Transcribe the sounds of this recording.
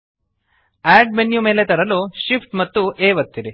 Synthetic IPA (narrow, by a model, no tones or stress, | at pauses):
æːɖ̚menjume̞ːlet̪ɐɾɐluʃipʰʈmɐt̪ːuʔeːʋɐt̪ːiɾi